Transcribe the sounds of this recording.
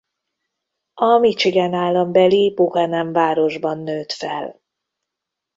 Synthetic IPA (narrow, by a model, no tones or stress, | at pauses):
ɒmit͡ʃiɡɛnaːlːɒmbɛliboɦɛnɛɱvaːɾo̞ʒbɒnːøːt̪fɛl